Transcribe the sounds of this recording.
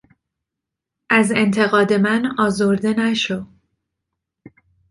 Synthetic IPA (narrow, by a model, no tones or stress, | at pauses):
ʔæze̞nt̪ʰe̞ɣɒːd̪e̞mænɒːzoɾd̪e̞næʃo